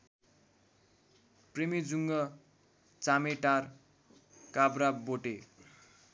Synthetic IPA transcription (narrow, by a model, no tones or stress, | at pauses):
premid͡zuŋɡʌ | t͡sameʈar | kabraboʈe